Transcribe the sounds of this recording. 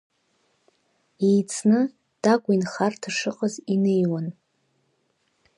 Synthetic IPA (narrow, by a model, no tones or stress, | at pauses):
ejt͡sʰnɨ | d̥akʷʼinχartʰaʂɨqʼəzinejwan